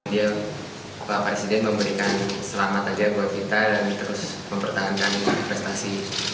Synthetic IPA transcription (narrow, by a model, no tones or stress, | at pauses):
dia | papɾesidɛnməmbəɾikansəlamat̪aɡaɡuat̪̚kit̪alamit̪əɾʊs | məmpərt̪aɦankanpɾɛst̪asi